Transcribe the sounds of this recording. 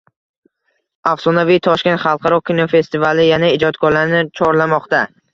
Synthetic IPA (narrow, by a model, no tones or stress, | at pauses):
afsɒnavijt̪ʰɒʃkʲe̞nt̪χɑlˠqʰɑɾɒkʲʰinofe̞st̪ɪvalɪjanaɪd͡ʒɒt̪kʰɒɾlaɾɪnɪt͡ʃʰɒɾlamɒqt̪a